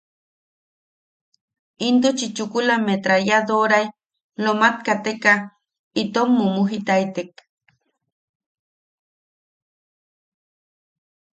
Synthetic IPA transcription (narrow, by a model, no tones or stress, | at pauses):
int̪ut͡ʃit͡ʃukulamet̪ɾaɾjad̪oɾaj | lomat̪̚kat̪eka | it̪omːumuɦit̪ait̪ek